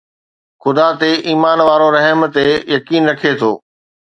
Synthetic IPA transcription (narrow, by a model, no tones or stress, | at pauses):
xʊd̪at̪eʔiːmaːnʋaːɾoɾɛɦəmt̪ejɐkiːnɾɐkʰet̪ʰoː